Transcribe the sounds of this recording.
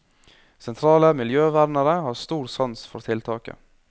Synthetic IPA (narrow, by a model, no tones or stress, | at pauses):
sɛnt̪ʰɾɑːləmɪljøːʋæɾnəɾəhɑːɾst̪uːɾsɑnsfɔ̰ɾt̪ʰɪlt̪ʰɑːkə̰